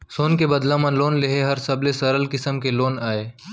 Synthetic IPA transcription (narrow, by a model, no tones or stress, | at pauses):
soːnkebɐd̪lãːmɐ̃nloːnleɦeɦɐɾsɐblesɐɾəlkɪsəmkeloːnaːeː